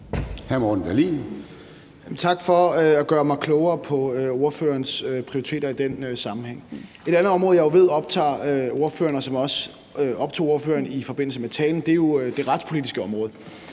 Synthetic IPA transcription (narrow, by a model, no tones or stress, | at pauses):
hæmɒːd̥n̩d̥ælḭ | jæmnt͡sʰɑ̈ɡ̥fɒ̽øæɡ̥ɶːɐmɑ̈ɪkʰlɔʊɐːpʰɒ̽øo̝ɐfø̰ːɐnsøpʰʁioit͡sʰe̝̰ːdɐid̥enøsɑ̈mm̩heŋ̰e̝ɾ̥ænð̩ˠɒ̽mʁɔ̽ð̞ˠjɑ̈ɪoʋe̝ð̰ˠɒ̽b̥t͡sʰɑ̰̈ːøo̝ɐfø̰ːɐnɒsɒ̽mɒ̽s | ʔɒ̽b̥̚t͡sʰo̝̰ːo̝ɐfø̰ːɐnifɒ̽b̥e̝n̰l̩səmet͡sʰɛːln̩d̥e̝jo̝d̥e̝ʁɑ̈d̥spʰo̝lidisɡ̥əɒ̽mʁɔ̽ːð̞̩ˠ